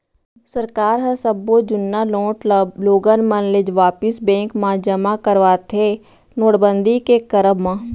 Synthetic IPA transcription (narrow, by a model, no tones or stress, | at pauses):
səɾkaːɾɦəsəbːod͡ʒʊnːaloːʈloːɡənmənlɪd͡ʒʋaːpɪsbɛ̃ːŋkmãd͡ʒəmakəɾʋaːt̪ʰe | noːɽbə̃nd̪ikekəɾəbmãː